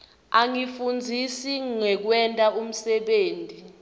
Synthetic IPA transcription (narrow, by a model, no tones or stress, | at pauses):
aŋifund͡zʱisiŋŋɛk̬wɛntʼaʔum̩sɛɓeːntʼi